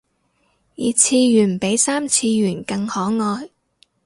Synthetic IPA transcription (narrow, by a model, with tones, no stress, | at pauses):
jiː˨˧t͡sʰiː˧jyː˨˩npe˨˥jsaː˥mt͡sʰiː˧jyː˨˩nkɐ˧ŋhɔː˨˥ŋɔː˧j